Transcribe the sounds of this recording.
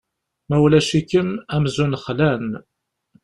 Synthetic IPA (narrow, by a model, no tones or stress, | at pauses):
mæwlæʃikːənæmzunχlæn